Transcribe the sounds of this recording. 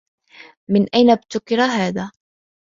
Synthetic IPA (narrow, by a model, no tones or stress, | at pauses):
mɪnʔajnab̚t̪ʊkɪɾaɦaːðaː